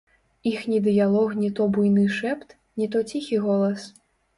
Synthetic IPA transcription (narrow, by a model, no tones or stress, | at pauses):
ixnʲid̪ɨjalˠɔxnʲit̪ɔbujnɨʂɛpt̪ | nʲit̪ɔt͡sʲixʲiɣɔlˠɐs